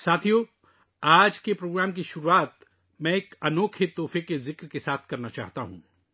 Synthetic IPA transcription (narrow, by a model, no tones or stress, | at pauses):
saːt̪ʰijo | aːd͡ʒkepɾoːɡɾaːmk̬iʃʊɾuaːt̪ | mɛ̃ekɐnoːkʰɪt̪ːoːfekezɪkɾkesaːt̪ʰkɐɾnat͡ʃa̰ːɦt̪aɦṵ̃ː